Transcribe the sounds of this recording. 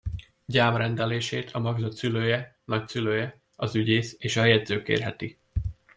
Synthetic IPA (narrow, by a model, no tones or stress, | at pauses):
ɟaːmrɛnd̪ɛleːʃeːt̪ʰɒmɒɡzɒt̪syløːjɛnɒcsyløːjɛ | ɒzyɟeːseːʃɒjɛd̪zøːkḛːrɦɛt̪i